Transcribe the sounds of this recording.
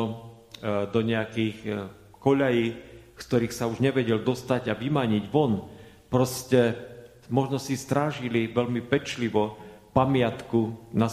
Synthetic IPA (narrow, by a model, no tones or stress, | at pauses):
d̪ɔɲɛakiːx | kɔʎajiːkkt̪ɔɾiːxsauʒɲɛʋɛɟɛld̪ɔst̪aɟaʋimaɲiɟʋɔn | pɾɔscɛ | mɔʒnɔsist̪ɾaːʒiliʋɛʎmipɛt͡ʃliʋɔpamɪat̪kuna